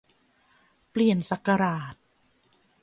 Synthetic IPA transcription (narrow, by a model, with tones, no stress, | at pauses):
pli˨˩ənsa˨˩kːa˧ɾaː˨˩t̪̚